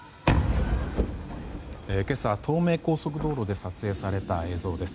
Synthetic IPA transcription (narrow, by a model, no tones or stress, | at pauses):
eke̞sat̪ʰo̞ːme̞ːko̞ːso̞k̬ɯ̟d̪o̞ːɾo̞d̪e̞sat͡sɨe̞ːsaɾe̞t̪ae̞ːzo̞ːd̪e̞sɨ̥